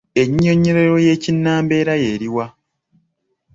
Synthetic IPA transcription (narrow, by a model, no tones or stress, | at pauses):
e̞ɲːo̞ɲe̞ɾe̞ɾo̞je̞ːcinːaːmbe̞ːɾaje̞ːɾiwa